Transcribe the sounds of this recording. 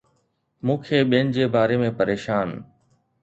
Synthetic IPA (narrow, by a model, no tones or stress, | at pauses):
mũːkʰeːɓijənɪ̆d͡ʑeːbaːɾeːmẽpəɾeːʃaːn